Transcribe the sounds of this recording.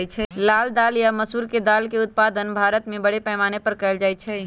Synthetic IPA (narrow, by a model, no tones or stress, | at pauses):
t͡ʃʰɛlaːld̪aːljaməsuːɾked̪aːlkeʊt̪̚paːd̪ənbʱaːɾət̪mẽbəɽepɛːmaːnepəɾkɛɪld͡ʒaːjt͡ʃʰɛ